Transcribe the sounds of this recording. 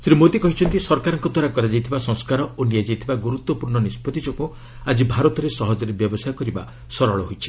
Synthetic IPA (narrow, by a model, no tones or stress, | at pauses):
sɾimot̪ikɔɦit͡ʃʰɔnt̪isɔɾkaɾɔŋkɔd̪waɾakɔɾad͡ʒajt̪ʰibasɔ̃ŋ̃skaɾɔonijad͡ʒajt̪ʰibaɡuɾut̪wɔpuɾɳɔnispɔt̪id͡ʒɔku | ad͡ʒibʱaɾɔt̪ɔɾesɔɦɔd͡ʒɔɾebjɔbɔsajɔkɔɾiba̰ | sɔɾɔɭɔɦojt͡ʃʰi̥